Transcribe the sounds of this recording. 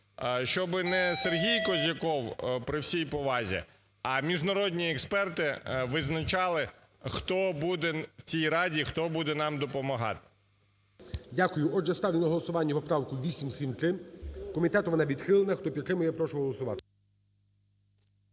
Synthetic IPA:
ʃt͡ʃɔbɪnɛserɦʲijkɔzʲɐkɔwpɾɪwsʲijpɔʋɑzʲḭ | ɐmʲiʒnɐɾɔd̪ʲnʲiɛkspɛrt̪ɪʋɪznɐt͡ʃɑlˠɪ | xt̪ɔbud̪ɛwt͡sʲijɾɑdʲixt̪ɔbud̪ɛnɑmd̪ɔpɔmɐɦɑ̰t̪ɪ̥ | dʲakʊjʊʔɔɛst̪ɑwlʲɪnɐɦɔlˠɔsʊʋɑnʲːɐpɔpɾɑwkʊʋʲisʲimsʲimt̪ɾɪkɔmʲit̪ɛt̪ʊʋɔnɑʋʲid̪xɪlˠenɐxt̪ɔpʲikɾɪmʊjɛpɾɔʃʊɦɔlˠɔsʊʋɑt̪ɪ̥

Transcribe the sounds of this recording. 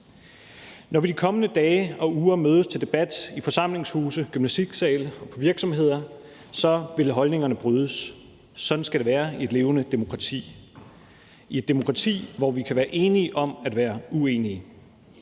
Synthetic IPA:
nɒʋid̥ikʰɒ̽mənəd̥ɛːɪɒ̽uːɐmøːð̞ˠəst͡sʰe̝ld̥e̝b̥æd̥ifɒ̽sɑ̈m̰le̝ŋshuːsəɡ̥ymnæsd̥iɡ̥sɛːlɒ̽pʰɒ̽ʋiɐɡ̥sɒ̽mɦe̝ð̞̰ˠɐ | sɒ̽ʋe̝lɦɒ̽lne̝ŋɐnəb̥ʁyð̞ˠəsː | ɒ̽nsɡ̥æɾ̥eʋæːɐie̝d̥le̝ːʊnəd̥e̝mo̝kʰʁɑt͡sʰḭː | ie̝d̥emo̝kʰʁɑ̈t͡sʰḭːʋɒʋikʰæʋæːɐʔe̝ːniəʔɒ̽mæd̥ʋæːɐue̝ːni

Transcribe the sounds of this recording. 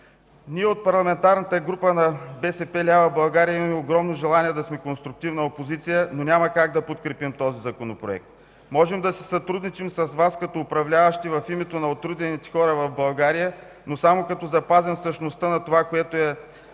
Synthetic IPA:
niɛot̪̚pɐɾlˠɐmɛnt̪aɾnɐt̪əɡɾupənɐbɛsɛpɛlʲavɐbɐlˠɡaɾijəimɐmɛoɡɾɔmnoʒɛlˠaniɛd̪ɐsmɛkonst̪ɾʊk̚t̪ivnɐopozit̪sijənonʲamɐkaɡ̚d̪ɐpot̪kɾɛpimt̪ɔzizɐkonopɾoɛ̰k̚t̪̚ | mɔʒɛmd̪ɐsɛsɐt̪ɾud̪nit͡ʃimsɐsvaskɐt̪oːpɾɐvlʲavɐʃt̪ivɐfimɛt̪onɐot̪ɾud̪ɛnit̪ɛ̥xɔɾəvɐvbɐlˠɡaɾijə | nosamokɐt̪ɔzɐpazɛmfsəʃnost̪ənɐt̪ovakoɛt̪oɛ

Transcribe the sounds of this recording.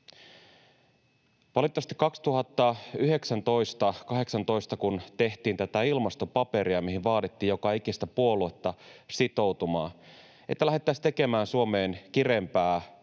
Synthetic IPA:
ʋɑlit̪ːˑɑʋɑst̪i̥kːɑkst̪uɦɑt̪ːɑyɦe̞ksænt̪o̞jst̪ɑkɑɦe̞ksɑnt̪o̞jst̪ɑkunt̪e̞ht̪iːnt̪æt̪æilmɑst̪o̞pɑpe̞ɾiɑmiɦiʋʋɑːdit̪ːiːjo̞kɑik̟ist̪æpuo̞lue̞t̪ːɑsit̪o̞wt̪umɑ̰ː | et̪ːælæɦe̞t̪ːæst̪e̞ke̞mæːnsuome̞ːnk̟ire̞mpæː

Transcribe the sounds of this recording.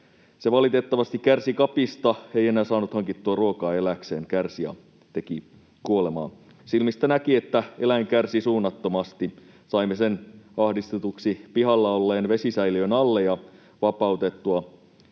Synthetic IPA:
seʋɑlit̪et̪ːɑʋɑst̪ikkærsikɑpist̪ɑejenæːsɑːnːut̪hɑŋkit̪ːuɑruokɑːe̞lækseːŋkærsijɑ̰ | t̪e̞ki | kuole̞mɑ̰ːn | silmist̪ænækiet̪ːæelæjŋkærsisuːnːɑt̪ːomɑst̪i | sɑimːesenɑhdist̪et̪uksipiɦɑlːɑolːeːnʋesisæiliønɑlːejɑ | ʋɑpɑut̪et̪ːuɑ

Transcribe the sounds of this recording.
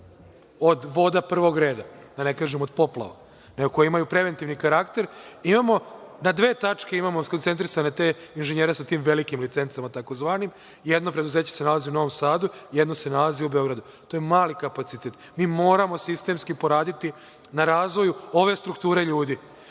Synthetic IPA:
o̞d̪ʋo̞d̪apr̩ʋo̞ɡɾe̞ːd̪a | d̪ane̞kaːʒemo̞d̪po̞plˠa̰ʋa̰ | neɡoko̞jeimajupɾe̞ʋe̞nt̪iʋnikaɾakt̪e̞ɾimamo̞nad̪ʋe̞ːt̪at͡ʃke̞imamo̞ko̞nt̪e̞nt̪̬ɾisane̞t̪eːinʒeɲeːɾesat̪iːmʋe̞likimlit̪se̞nt̪samat̪ako̞zʋaːnim | jed̪no̞pɾed̪uze̞ːt͡ɕese̞nalaziuno̞ʋo̞msaːd̪ujed̪no̞se̞nalaziubeo̞ɡɾad̪u | t̪o̞jemaːlikapat̪sit̪e̞t̪ | miːmo̞ːɾamo̞sist̪e̞mskipo̞ɾaːd̪it̪i | naɾaːzʋo̞juo̞ʋe̞st̪ɾukt̪uːɾe̞ʎuːd̪i

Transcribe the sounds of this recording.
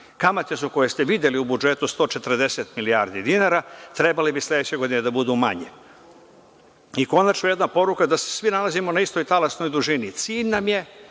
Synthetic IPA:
kamat̪esuko̞je̞st̪e̞ʋid̪je̞liubud͡ʒe̞t̪ust̪o̞ːt͡ʃe̞t̪ɾr̩d̪e̞set̪milijaɾd̪id̪inaːɾat̪ɾe̞balibislʲe̞d̪et͡ɕe̞ɡo̞d̪ined̪abud̪uma̰ɲe | iko̞nat͡ʃnoje̞d̪napo̞ɾukad̪ase̥sʋinalazimonaist̪o̞jt̪alasno̞jd̪uʒinit̪siːʎnamje̞

